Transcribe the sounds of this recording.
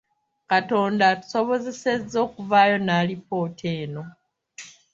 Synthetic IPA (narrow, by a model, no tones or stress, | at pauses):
kato̞ːndatu̥so̞βo̞ze̞se̞zːo̞ːkuvaːjo̞naːlipo̞ːtʰeːno̞